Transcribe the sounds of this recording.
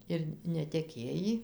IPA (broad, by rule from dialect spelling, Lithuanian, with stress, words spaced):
ɪr nʲɛtʲɛˈkʲeːjiː